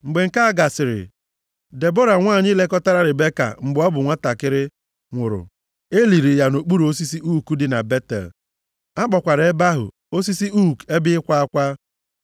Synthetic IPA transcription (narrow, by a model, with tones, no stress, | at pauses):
ŋ͡m̩˨ɡ͡be˨ŋ̩˨ka˦a˦ɡa˨sɪ˨ɾɪ̰˨ | de˨bo˦ɾa˨ŋʷaː˦˨ɲɪ˦le˦kɔ˦ta˦ɾa˦ɾɪ˨be˦ka̰˨ŋ͡m̩˨ɡ͡bɔ˦bʊ˨ŋʷa˦ta˨kɪ˦ɾɪ˦ | ŋʷʊ˨ɾʊ̰˨ | e˦li˨ɾi˨ja˨no˨k͡pu˦ɾo˦s̬i˦si˦ʔu˦ku˦dɪ˨na̰˨be˦tḛ˨l | a˦k͡pɔ˨kʷa˨ɾe˨e˦ba˦ɦʊ̰˨ | o˦si˦si˦u˦˨ke˦bɪ˦ɪ˦kʷa˦a˦kʷa˦